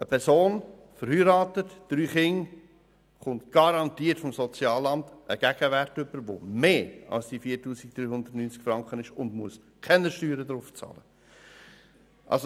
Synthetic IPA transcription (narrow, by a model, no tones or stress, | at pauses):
əpʰɛɾsoːn | fəɾhyːɾɑːtətd̥ɾyːχɪŋ | χʊntɡ̥ɑɾɑntiːəɾtfɔmsɔt͡sjɑːlɑmtʔəɡ̥æɡ̥əvæɾtʏb̥əɾʋo̰meːɑ̰lsd̥ifiːɾtuːsik̚d̥̪ɾyːhʊnd̪ətnyːnt͡skfɾɑŋkχənɪʃʊndmuəskʰɛnəʃtyːɾədɾʊft͡sɑ̰ːlə | ʔɑ̰lso